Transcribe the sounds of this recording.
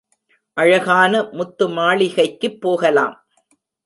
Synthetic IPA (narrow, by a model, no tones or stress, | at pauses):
ʔɐɻɐɣaːnɐmʊt̪ːɯmaːɭɪɣɐɪkːɯpːoːɣɐla̰ːm